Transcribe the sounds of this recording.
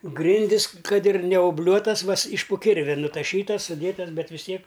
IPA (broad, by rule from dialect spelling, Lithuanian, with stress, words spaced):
ˈɡrʲɪnʲdʲɪs ˈkɐt ɪr nʲɛoːˈbʲlʲuɔtɐs ˈʋɐs ɪʃ poː ˈkʲɪrʲʋʲɛ nʊtɐˈʃʲiːtɐs sʊˈdʲeːtɐs ˈbʲɛt ʋʲɪs ˈtʲiɛk